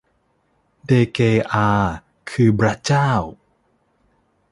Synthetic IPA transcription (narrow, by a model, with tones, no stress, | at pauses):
deː˧keː˧ʔaː˧ | kʰɯː˧pɾa˦˥t͡ɕaː˥˩w